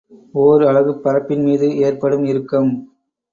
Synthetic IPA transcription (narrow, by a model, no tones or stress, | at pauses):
oːɾɐɭɐʋɯpːɐɾɐpːɪnmiːðɯeːrpɐɽɯmɪɾɯkːɯm